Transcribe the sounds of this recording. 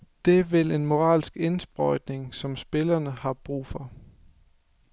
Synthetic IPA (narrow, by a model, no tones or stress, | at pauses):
d̥e̝ʋele̝nmo̝ʁɑ̰̈ːlsɡ̥e̝nsb̥ʁɒɪd̥ne̝ŋsɒ̽msb̥e̝lɐnəhɑ̈b̥ʁṵːfɒ̽